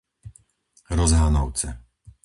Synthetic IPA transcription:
ɾɔzɦaːnɔʊt͡sɛ

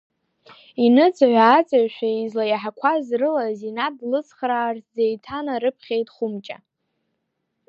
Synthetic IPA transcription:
inɨt͡sʰʼaʕʷaːt͡sʼaɥʃʷᶣaizlajaħakʷʰazrɨlazinadlɨt͡sʰʼχraːrtʰzejtʰanaɾɨpʰχʲejtʼχʷʊmt͡ʃʼa̰

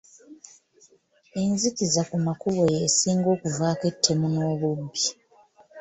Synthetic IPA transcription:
e̞nzikizakumakuβo̞jesiːŋɡo̞ːkuvaːke̞tʰːe̞muno̞ːβubːi

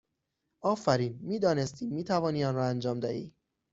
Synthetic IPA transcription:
ʔɒːfæɾiːnmiːd̪ɒːne̞st̪ʰiːmiːt̪ʰævɒːniːɒːnɾɒːænd͡ʒɒːmd̪ɒːhḭː

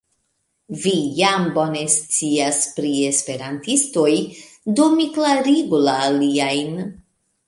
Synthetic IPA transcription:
vijambo̞ne̞st͡siaspɾie̞spe̞ɾantisto̞j | domiklaɾiɡulaːliajn

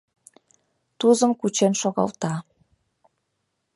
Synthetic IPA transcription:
t̪uzə̆mkut͡ɕenʃoɣɑ̰lˠt̪ɑ

